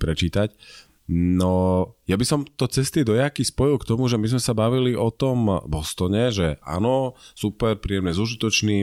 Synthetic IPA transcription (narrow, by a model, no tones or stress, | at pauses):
pɾɛt͡ʃiːt̪ac | nɔjabisɔmt̪ɔt͡sɛst̪id̪ɔjakispɔjilkt̪ɔmuʒɛmizmɛsabaʋiliɔt̪ɔmbɔst̪ɔɲɛʒɛʔa̰ːnɔsupɛɾpɾiːɛmnɛzuʒit̪ɔt͡ʃniː